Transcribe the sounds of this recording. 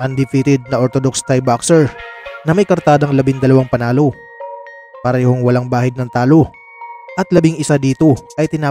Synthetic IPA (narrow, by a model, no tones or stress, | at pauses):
ʔɐnd̪ɪfiːt̪ɪd̪̚nɐʔoɾt̪od̪ok̚st̪ajbaksɛɹnɐmɐjkɐɾt̪aːd̪ɐŋlɐbɪŋd̪ɐlɐwaŋpɐnaːlo̞ | pɐɾɛːhoŋwɐlaŋbaːhɪd̪̚nɐŋt̪aːlo̞ | ʔɐt̪lɐbɪŋɪsad̪iːt̪o̞ʔɐjt̪ɪnaː